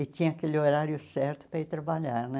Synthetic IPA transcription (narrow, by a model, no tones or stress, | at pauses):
ɪt̪ĩɲɐakelɪoɾaɾjʊsɛɾt̪ʊ̥pɾɐit̪ɾabaʎaɾnɛ